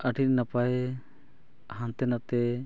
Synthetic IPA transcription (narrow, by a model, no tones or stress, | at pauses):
aʈʰit̪̚napaj | hãnt̪ɛnat̪ɛ